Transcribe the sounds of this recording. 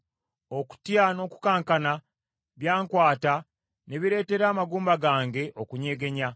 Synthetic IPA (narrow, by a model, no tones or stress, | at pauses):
o̞ku̥tjano̞ku̥kaːŋkana | βjaːŋkwaːta | ne̞βiɾe̞ːte̞ɾaːmaɡuːmbaɡaːŋɡe̞ʔo̞kuɲe̞ːɡe̞ɲa